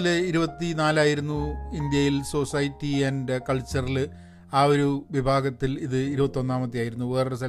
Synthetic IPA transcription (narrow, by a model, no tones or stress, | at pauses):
liɾubɐt̪ːinaːlaːjiɾunːuind̪jɐjilso̞sɐjtːiɐnɖkɐɭt͡ɕːɐrilɨ | aːo̞ɾuʋibʱaːɡɐt̪ːiliðɨiɾubɐt̪ːio̞nːaːmɐt̪ːijaːjiɾunːuʋeːrsɐ